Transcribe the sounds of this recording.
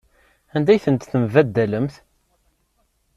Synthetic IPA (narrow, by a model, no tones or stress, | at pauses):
ænd̪æjθənt̪θəmvæd̪ːæləmθ